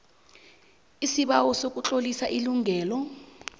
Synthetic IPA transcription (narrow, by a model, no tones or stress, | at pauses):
isiɓawɔsok̬ʼut͡ɬʼolisaʔiluŋʱɛːlɔ